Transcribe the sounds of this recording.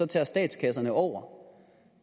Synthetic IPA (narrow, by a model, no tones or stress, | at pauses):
ɒ̽t͡sʰɛsd̥ɛ̰ːd̥skʰæsɐnəʔɒʊ̰ɐ